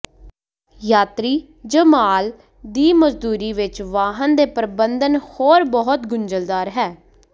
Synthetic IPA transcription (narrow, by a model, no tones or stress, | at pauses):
jaːt̪ɾiː | d͡ʒəmaːl | d̪iːməzd̪uːɾiːʋɪt͡ʃʋaːɦənd̪eːpəɾbənd̪ənhoːɾbɔɦʊt̪ɡʊɲd͡ʒəld̪aːɾɦɛː